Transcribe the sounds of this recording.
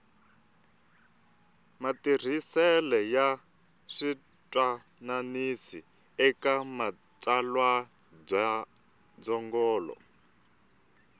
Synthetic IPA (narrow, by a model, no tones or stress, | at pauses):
matir̤isɛlɛja | ʂi | tʼwa | nanisi | ɛkama | tʼalwa | b͡ʐa | d͡zɔŋɡɔːlɔ̰